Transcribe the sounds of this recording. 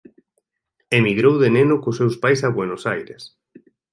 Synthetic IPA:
emiɣɾowðenenʊkʊsewspajsaβwenosajɾes

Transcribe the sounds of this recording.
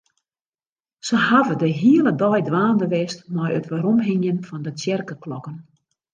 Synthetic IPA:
səhavədəɦiələdɔjdʋaːndəʋɛstmɔjə̰tʋaɾɔmɦɪŋjənfɔndətjɛrkəklɔkən

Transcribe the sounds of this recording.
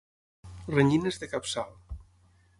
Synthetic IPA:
reɲinezðekapsal

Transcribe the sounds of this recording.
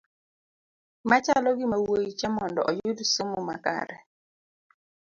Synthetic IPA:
mat͡ʃalɔɡɪmawojit͡ʃamɔndɔ̰ʔɔjudsomomaka̰ɾɛ

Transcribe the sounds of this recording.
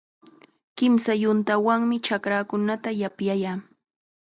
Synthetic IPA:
kɪmsajʊnt̪awaŋmɪt͡ʃakɾakʊnat̪ajapjajaː

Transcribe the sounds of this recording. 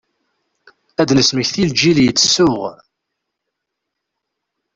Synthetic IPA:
æd̪nəsməçθild͡ʒiljət͡sːə̥sːʊʁ

